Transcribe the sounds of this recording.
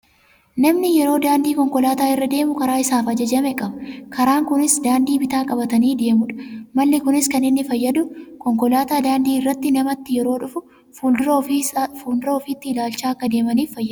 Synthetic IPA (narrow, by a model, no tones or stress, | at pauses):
nɐmnɪjɛɾo̞ːd̪aːnd̪iːkɔŋkɔlaːt̪aːɪrːɐd̪e̞ːmʊkɐɾaːɪsaːfɐd͡ʒɐd͡ʒɐmɛkʼɐbɐkʰɐɾaːŋkʊnɪsd̪aːnd̪iːbɪt̪aːkʼɐbɐt̪ɐniːd̪e̞ːmʊᶑɐ̥mɐlːɪkʊnɪskɐnɪnːɪfɐjːɐd̪ʊkɔŋkɔlaːt̪aːd̪aːnd̪iːɪrːɐt̪ːɪnɐmɐt̪ːɪjɛɾo̞ːᶑʊfʊ | ud̪ʊɾfuːld̪ʊɾɐɔfiːt̪ːɪɪlaːlt͡ʃaːɐkːɐd̪e̞ːmɐniːfːɐjːɐ